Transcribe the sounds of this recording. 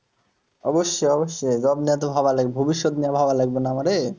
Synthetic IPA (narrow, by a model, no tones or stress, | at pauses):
ɔboʃːeɔboʃːed͡ʑɔbniat̪̬obʱabalaɡ̚bʱobiʃːot̪niabʱabalaɡbonaamaɾe